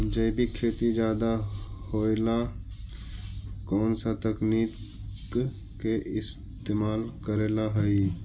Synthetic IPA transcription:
d͡ʒəɪbʱikʰeːt̪id͡ʒaːd̪ahoːla | kɔːnsat̪əkniːt̪k | keʔɪs | t̪eːmaːlkəɾeːlaɦəi

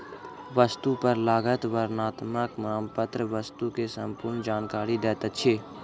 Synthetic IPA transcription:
ʋəst̪upəɾlaːɡət̪ʋəɾnaːt̪məkmɾaːmpət̪ɾəʋəst̪ukesə̃mpʊɾnd͡ʒaːnkaːɾid̪ɛːt̪ət̪t͡ʃʰeː

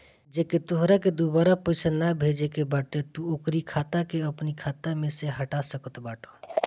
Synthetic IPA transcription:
d͡ʒeket̪oɦɾaked̪ubaɾapəɪsanabʱed͡ʒekebaʈet̪uokɾikʰat̪akeəpnikʰat̪ameseɦəʈasəkət̪baːʈʰo

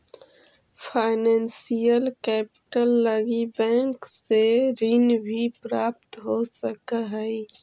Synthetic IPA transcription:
pʰaːɪnɛ̃ːnsijəlkɛːpɪ̥ʈəlːəɡibɛ̃ːŋkseɾinbʱipɾaːp̚t̪ɦosəkəɦɛi

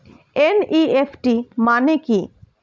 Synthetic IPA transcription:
eniepʰʈimaneki

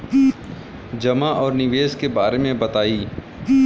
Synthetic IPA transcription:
d͡ʒɐmaʔɔːɾnɪʋeːzkebaːɾemẽbɐt̪aːiː

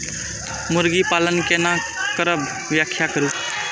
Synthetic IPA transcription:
mʊɾɡipaːlənkena | kəɾəb | ʋjakʰːjakəɾu

